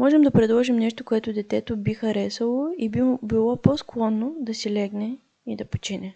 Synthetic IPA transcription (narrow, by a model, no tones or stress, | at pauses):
mɔʒɛmd̪ɐpɾɛd̪lˠɔʒimnɛʃt̪okoɛt̪ʊd̪ɛt̪ɛt̪obixɐɾɛsəlˠoibilˠɔposklˠɔnːod̪ɐsilɛɡnɛ | id̪ɐpo̥t͡ʃinɛ